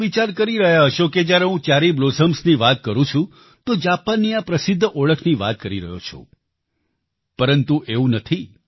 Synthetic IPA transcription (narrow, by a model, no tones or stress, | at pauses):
ʋit͡ʃaɾkəɾiɾəɦjaɦəʃoked͡ʒjaɾeɦũt͡ʃaɾiblozʱəmsniʋat̪̚kəɾũt͡ʃʰũ | t̪od͡ʒapanːijapɾəsɪd̪ʱːʔoɭəkʰniʋa̰t̪̚kəɾiɾə̰ɦjo̰t͡ʃʰõ̰ | pəɾənt̪uʔeũnət̪ʰi